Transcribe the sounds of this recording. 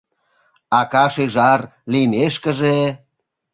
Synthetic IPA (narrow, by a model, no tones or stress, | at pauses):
ɑkɑʃeʒɑrlimeʃkə̆ʒe